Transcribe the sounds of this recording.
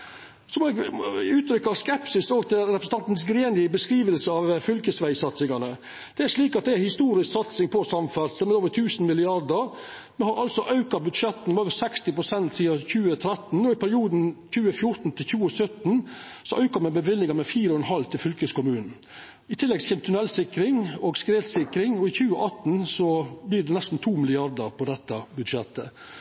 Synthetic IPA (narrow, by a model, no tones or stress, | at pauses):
sɔmoːɛɡʉːt̪ʰɾʏkːɑskɛpsɪsoːɡt̪ʰɪlɾɛpɾəsəɑnt̪n̩sɡɾeːnɪəbəskɾiːʋəlsəɑʋfʏlkəsʋæɪsɑt̪sɪŋɑnə | d̪̥ɛæɾʂɭiːkɑt̪̚d̪ɛæhɪst̪uːɾɪsksɑt̪sɪŋpʰɔsɑmfæɾsəmɛd̪oːʋəɾt̪ʰʉːsn̩mɪlɪɑɾd̪əɾ | mɛnhɑɾʔɑlsɔʔɑʉkɑbʉd̪ʂɛt̪n̩mɛoːʋəsɛkst̪ɪpɾʊsɛnt̪siːɑçʉːət̪ʰɾɛt̪n̩ɔɪpʰæɾɪuːd̪n̩çʉːəfjʊɾt̪n̩t̪ʰɪlçʉːəsœt̪n̩ | sɔʔɑʉkɑmɛbəʋɪlːɪŋɑmɛfiːɾəɔɛnɦɑlt̪ʰɪlfʏlkəskʊmʉːnn̩ | ɪt̪ʰɪlːɛɡsçɛːmt̪ʰʉnɛlsɪkɾɪŋɔːɡskɾeːt̪sɪkɾɪŋɔɪçʉːəʔɑt̪n̩sɔbliːɖɛnɛst̪n̩t̪ʰuːmɪlɪɑɾd̪əɾpʰɔd̪ɛt̪ːɑbʉd̪ʂɛt̪ːə̰